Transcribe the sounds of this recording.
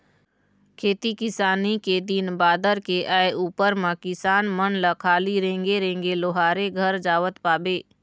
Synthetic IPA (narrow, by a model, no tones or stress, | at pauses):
kʰeːt̪ikɪsaːniked̪inbaːd̪əɾkeʔaːeʔuːpəɾmãkɪsaːnmənləkʰaːliɾẽːŋɡeɾẽːŋɡeloːɦaːɾeɡʱəɾd͡ʒaːʋət̪paːbeː